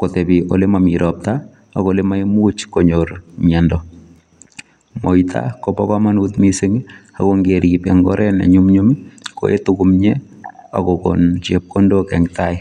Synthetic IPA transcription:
kotɛbiʔo̰lemamiɾɔp̚taː | kolemaimut͡ʃkoɲoɾmɛndɔ | moitʰa̰kopɔkamanutmisɪŋa̰koŋɡeɾipɛŋɡɔ̰ɾʔɛnḛɲumɲumko̰etukumɲe | a̰koko̰nt͡ʃep̚kondokɛŋtaɪ

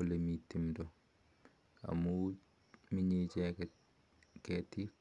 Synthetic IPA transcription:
ɔlemitːimdɔ | a̰mu | miɲid͡ʒɛ | kɛtːi

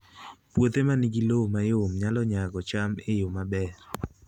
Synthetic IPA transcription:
pwot̪emaniɡilomajomɲalɔɲaɡɔt͡ʃamejʊmabɛɾ

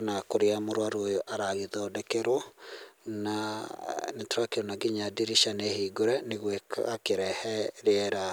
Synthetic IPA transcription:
nakoɾeamoɾwaɾwojɔʔaɾaɣeðɔdɛkeɾo | na | nɛtɾakeonaɡiɲadiɾiʃanehiɡoɾɛneɣwekakeɾɛhɛɾeɛɾa

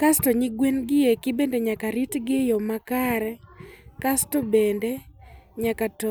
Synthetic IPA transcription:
kastɔɲɪɡwenɡɪekɪbendeɲakaɾitɡɪjɔmakaɾɛkastɔbendeɲakatɔ

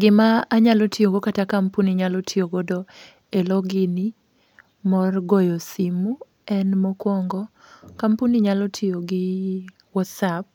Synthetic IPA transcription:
ɡɪmaːɲalotʰioɡokatakampuniɲalɔtʰioɡodo | elɔɡɪni | mɔrɡɔjosimu | ɛnmɔkwɔŋɡɔkampuniɲalɔtʰioɡɪ | wɔtsap̚

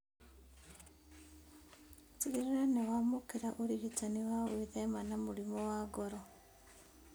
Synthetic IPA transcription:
tiɾiɾanewamukiɾaʔuɾiβitaniβawiðemanamuɾimowaɡoɾo

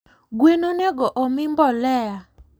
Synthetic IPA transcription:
ɡwenonɛɡɔʔɔmɪmbɔlɛa

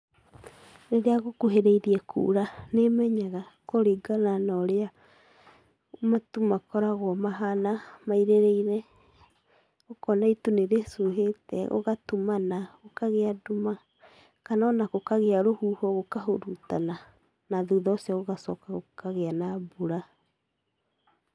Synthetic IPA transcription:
ɾeɾeaɣokuɦeɾeiɾiɛkʰṵːɾanemɛɲaɣakoɾeɡananaɾea | matumakɔɾaɣwɔmaɦanamaiɾeɾɛiɾɛ | okɔnaituneɾesuɦetɛ̰o̰ɣatumanaokaɣeaduma | kanɔnaɣokaɣeaɾohuːhɔɣokaɦoɾutana | naðuðɔsiaɣoɣasɔkaɣokaɣeanabuɾa

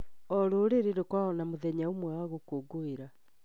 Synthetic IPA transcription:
ɔɾoːɾeɾeɾekwaɔnamoðɛɲaomwaɣokoɡoeɾa

